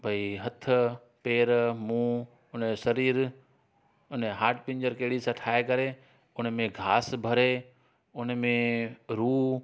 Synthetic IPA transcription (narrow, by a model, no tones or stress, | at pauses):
bʱɐiɦɐt̪ʰʊ̆ | peːɾmũː | ʊnsɐɾiːɾ | ʊnɦaːɾʈpɪ̃ɲd͡ʑəɾkeːɽisãʈʰaːekɐɾe | ʊnmẽɡʱaːsbʱɐɾe | ʊnmẽɾuː